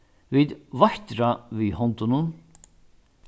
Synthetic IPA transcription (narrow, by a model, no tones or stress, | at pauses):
viðvaht̪ɾavihɔnt̪ʊnʊn